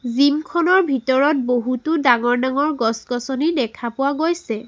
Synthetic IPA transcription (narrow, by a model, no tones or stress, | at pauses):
zimkʰɔnɔɹbʱitɔɹɔt̚boɦutʊdaŋɔɹnaŋɔɹɡɔskɔsɔnidɛkʰapʊwaɡojsɛ